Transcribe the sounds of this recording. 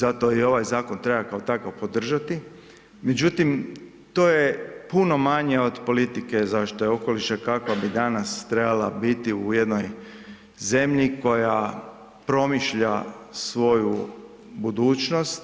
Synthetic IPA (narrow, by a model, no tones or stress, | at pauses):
zat̪o̞io̞ʋajzaːko̞nt̪ɾebakaot̪akaʋpo̞d̪r̩ʒat̪i | me̞d͡ʑut̪im | t̪o̞ːjepuno̞maɲeo̞d̪po̞lit̪ike̞zaʃt̪ojeo̞ko̞liʃakakʋabid̪anast̪ɾebalabit̪iujed̪no̞j | ze̞mʎiko̞ja | pɾo̞miʃʎasʋo̞ju | bud̪uːt͡ʃno̞st̪